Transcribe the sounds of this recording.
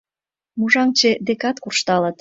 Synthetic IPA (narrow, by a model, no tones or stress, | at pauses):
muʒɑŋt͡ɕed̪ekɑt̪kurʃt̪ɑlət̪